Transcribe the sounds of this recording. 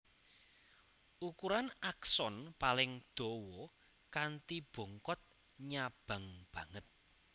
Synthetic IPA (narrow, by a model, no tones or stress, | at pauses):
ʔukuɾanaksɔnpalɪŋd̪̥o̤wɔ | kant̪ib̥ɔ̤ŋkɔt̪̚ | ɲab̥ä̤ŋb̥ä̤ŋət̪̚